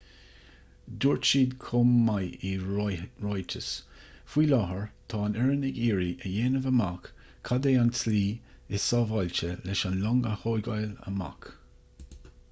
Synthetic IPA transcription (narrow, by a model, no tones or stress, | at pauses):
d̪uːɹt͡ʃiːd̪kʰʊmːaji | ɹɔjt͡ʃʰəsfwiːlɑɦəɹt̪ʰɑːnɛɹənɪɡiːɹiʔəjeːnəvəmakʰː | ad̪eːansliː | ɪsɑːvɑlʲt͡ʃəlɛʃanlɔŋəhojɡajlə̰ma̰k